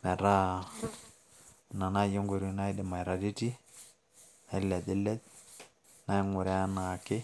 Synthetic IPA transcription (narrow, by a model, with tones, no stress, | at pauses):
mɛ˨ɾa˦ | na˨na˦˨je˦ŋɡu˨ɾi˦na˦dɪ˨ma˨i˨ɾa˨di˦ti˦ | a˦lɛ˨d̪ɪ˦lɛ˦t̪̚ | na˦i˦ŋʊ˨ɾɛ˦a˦na˨kɪ˦